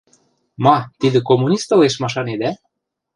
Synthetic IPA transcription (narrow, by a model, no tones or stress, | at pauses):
mɑt̪id̪ə̆komunʲist̪ɤ̆leʃmɑʃ̬ɑned̪æ